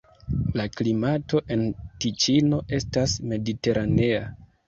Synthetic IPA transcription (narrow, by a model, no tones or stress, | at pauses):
laklimato̞ʔe̞ntit͡ʃino̞ʔe̞stasme̞dite̞ɾʔane̞a